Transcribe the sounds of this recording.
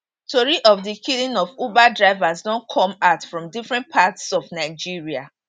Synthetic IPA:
toɹiʔɔfdikʰilĩnɔvubadɹaɪvasdɔ̃nkʰɔ̃matfɹɔ̃mdifɹɛ̃nt̚pʰatsɔvnaɪd͡ʒiɹia

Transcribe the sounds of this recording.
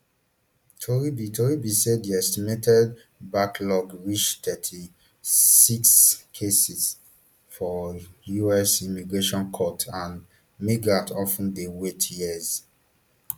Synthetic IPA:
tʰoɹibitʰoɹibiseddiɛstimetʰɛd̚ | baklɔɡɹit͡ʃtɛtʰi | sikskʰesiz | fɔjuɛsimiɡɹeʃɔ̃nkʰɔtʰãn | miɡɹatʰɔfũndewetʰjɛz̥

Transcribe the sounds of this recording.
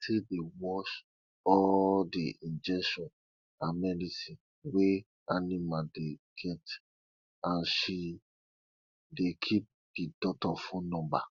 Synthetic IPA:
sedewɔʃ | ɔdḭĩnd͡ʒɛʃɔ̃n | ãnmɛdisĩn | we | animadeɡ̥ɛt | ãnʃi | dekʰip̚d̥idɔtɔfũnɔ̃mba̰

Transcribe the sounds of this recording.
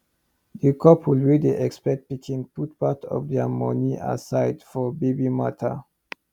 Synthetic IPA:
ðəkʰɔpʰwulɹiliʔɛkspɛk̚t̚b̥ikʰĩŋput̚patʰɔ̰vdɛmɔniʔa̰saɪdfɔbebimatʰə̰

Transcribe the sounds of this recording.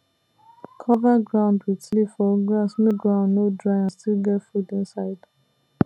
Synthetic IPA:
kʰɔvaɡɹãʊ̃ndwitlifɔɡɹasnoɡɹãʊ̃ndnodɹaɪãnstilɡɛtfudĩnsaɪd̥

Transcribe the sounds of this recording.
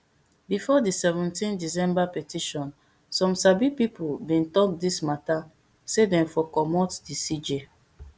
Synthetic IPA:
bifɔdisɛvɛ̃ntĩndis̬ɛ̃mbapɛtiʃɔ̃n | sɔ̃msabipipulbĩntɔk̚dismata | sedɛ̃mfɔkɔmɔtdisid͡ʒe

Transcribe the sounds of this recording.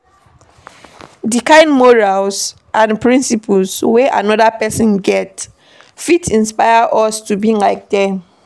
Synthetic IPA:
dikãɪ̃nmɔɹals | ʔãnpɹĩnsipʰulsweʔa̰nɔdapɛsɔ̃nɡɛt | fitĩnspaɪaʔɔstubĩŋlaɪk̚dɛ̃m

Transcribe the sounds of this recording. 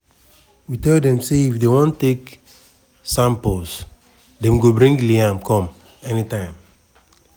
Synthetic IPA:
witɛldɛ̃mseifdewõntːek | sãmpols | dɛ̃mɡobɹɾĩŋɡliãmkʰɔ̃m | enitãɪ̃m

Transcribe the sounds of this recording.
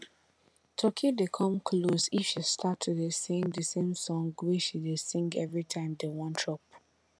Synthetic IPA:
tʰɔkʰidekʰɔ̃mkʰlosifʃistʰatʰːudesĩŋdəsẽmsɔ̃ŋɡwiʃidesĩŋɡɛvɹitʰãɪ̃mdewɔ̃ntʰɹɔp̚

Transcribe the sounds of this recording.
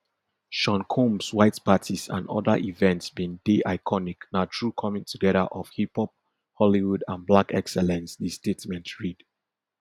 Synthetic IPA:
ʃɔ̃nkʰõmswaɪtpatʰisã̰ndɔ̰ðəʔivɛ̃ntsbĩndeʔaɪkʰɔniknatʰɹukʰɔmɪ̃ŋtʰuɡɛðəʔɔv̥hipɔp̚ | hɔliwudãnblakɛksɛlɛ̃nsðistetmɛ̃ntɹid̥

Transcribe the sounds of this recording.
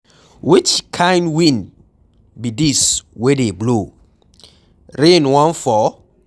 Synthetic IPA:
wit͡ʃkʰãɪ̃ndwĩn | bidiswedeblo | ɾẽnwɔ̃nfɔ

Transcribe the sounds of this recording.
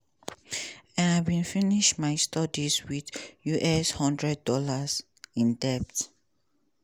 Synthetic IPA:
ɛ̃nabĩnfiniʃmaɪstɔdiswiðjuʔɛshɔ̃ndɹɛd̚ːɔlas | ĩndɛp̚t

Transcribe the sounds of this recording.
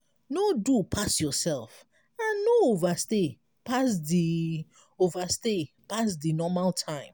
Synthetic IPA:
nodupʰasjɔsɛlf | ãnːoovaste | pasdi | ovaste | pasdinɔmaltʰãɪ̃m

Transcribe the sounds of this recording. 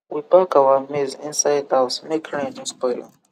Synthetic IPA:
wibakawəmizḭ̃nsajdasmekʰɹɛ̃tĩnspɔɪlə̰

